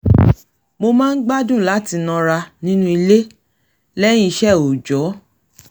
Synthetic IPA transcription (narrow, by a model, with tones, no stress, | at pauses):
mo˧mãː˦n̩˦ɡ͡ba˦dũ˦˨la˨˦ti˧nã˧ɾa˧nĩ˦nũ˦i˧le˦ | lɛ˦j̃ĩ˦i˧ʃɛ˦˨o˨d͡ʒɔ˨˦